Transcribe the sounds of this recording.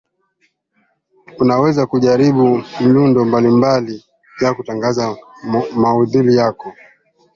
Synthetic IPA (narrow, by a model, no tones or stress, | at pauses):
unawɛzakuʄaɾiɓum̩lundɔmbalimbali | jakutaŋɡazamauðilijakɔ